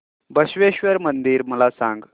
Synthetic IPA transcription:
bəɕʋeɕʋəɾmənd̪iːɾməlasãŋɡ

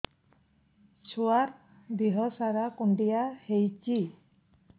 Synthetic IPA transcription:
t͡ʃʰuaɾ | d̪iɦɔsaɾakuɳɖijahejt͡ʃi

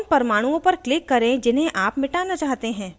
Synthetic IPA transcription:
npɐɾmaːɽ̃ũõpɐɾklɪkːɐɾẽd͡ʒɪnɦẽʔaːpmɪʈaːnat͡ʃaːɦt̪eɦɛ̃ː

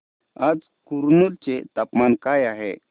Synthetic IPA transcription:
ad͡z | kuɾnult͡ɕet̪apmankajaɦḛ

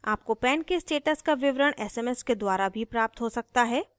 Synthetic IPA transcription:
aːp̚kopɛːnkesʈeːʈəskaʋɪʋɾəɽ̃ɛːsɛmɛsked̪waːɾabʱipɾaːp̚t̪ɦosɐk̚t̪aɦɛː

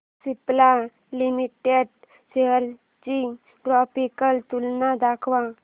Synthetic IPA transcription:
sipla | limiʈeɖ | seɦəɾ | t͡ʃi | ʈɾɔːpikəlt̪ulnad̪akʰʋa

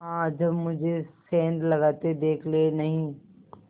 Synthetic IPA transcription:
ɦãːd͡ʒəbmʊd͡ʒʱesẽːnd̪lɐɡaːt̪ed̪eːkʰlenɐɦĩː

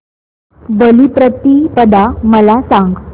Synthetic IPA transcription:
bəlipɾət̪ipəd̪aməlasaŋɡ

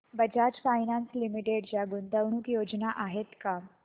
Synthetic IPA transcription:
bəd͡ʑad͡ʑfajnanslimiʈeɖd͡zaɡuːnd̪əwɳ̃ukjod͡ʑnaʔaɦet̪ka

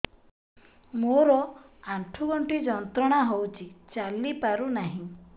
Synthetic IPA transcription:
moɾɔ | aɳʈʰuɡɔɳʈid͡ʒɔnt̪ɾɔɽ̃aɦowt͡ʃʰit͡ʃalːipaɾunaɦĩ

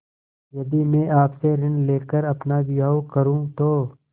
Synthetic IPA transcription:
jɐd̪imẽːʔaːpseɾɪnleːkəɾɐpnabɪjaːokəɾũːt̪oː

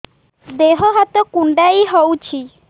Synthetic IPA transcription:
d̪eɦɔɦat̪ɔkuɳɖajɦowt͡ʃʰi

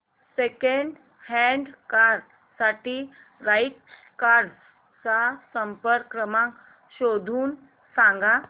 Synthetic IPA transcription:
sekəɳɖ | hɛ̃ɳɖkaɾ | saʈiː | ɾajʈs | kaɾɖs | t͡sasəmpəɾkɾəmãk | ɕod̪ʱuːn | sãŋɡa

